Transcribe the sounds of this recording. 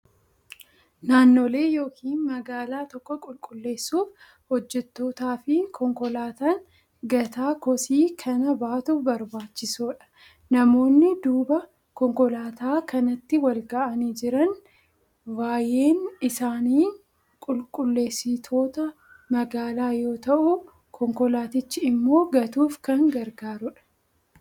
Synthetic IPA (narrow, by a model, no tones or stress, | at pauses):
naːnːo̞ːle̞ːjo̞ːkʰiːnmɐɡaːlaːt̪ɔkːɔkʼʊlkʼʊlːe̞ːsːuːf | hɔd͡ʒːɛt̪ːo̞ːt̪aːfɪkʰɔŋkɔlaːt̪an | ɡɐt̪aːkɔsiːkʰɐnɐbaːt̪ubɐɾbaːt͡ʃːɪsuːᶑɐ̥ | nɐmo̞ːnːɪd̪uːbɐ | kɔŋkɔlaːt̪aːkʰɐnɐt̪ːɪwɐlɡɐʔɐniːd͡ʒɪɾɐn | waːje̞ːnɪsaːniː | kʼʊlkʼʊlːe̞ːsɪt̪ʰo̞ːt̪ɐ | mɐɡaːlaːjo̞ːt̪ɐʔʊ | kʰɔŋkɔlaːt̪ɪt͡ʃːɪɪmːo̞ːɡɐt̪uːfkɐŋɡɐɾɡaːɾʊᶑɐ̥